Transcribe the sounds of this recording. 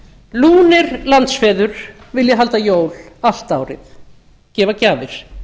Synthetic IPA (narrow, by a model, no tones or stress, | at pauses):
luːnɪɾlant̪sfɛːðʏɾ̥vɪljɛɦal̪t̪ajoːwlal̥t̪aːwɾɪ̰θ | cɛːvacaːvɪɾ̥